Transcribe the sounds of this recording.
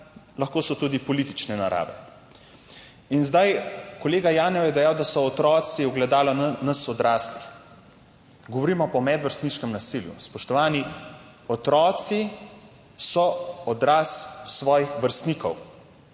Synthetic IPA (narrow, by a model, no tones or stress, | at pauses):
lɐxkoːsɔt̪uːd̪ipɔlit̪it͡ʃnɛna̰ɾʔa̰ːʋɛ̰ | inzd̪ajkɔleːɡajaːnɛwjɛd̪ɛjaːwd̪asɔːt̪ɾɔːt̪siɔɡlɛd̪aːlɔnɐsɔd̪ɾaːslix | ɡɔʋɔɾiːmɔpɔmɛd̪ʋəɾst̪niʃkɛmnasiljṵspɔʃt̪ɔʋaːni | ɔt̪ɾɔːt̪si | sɔɔd̪ɾaːsːʋɔːjixʋəɾst̪niːkɔw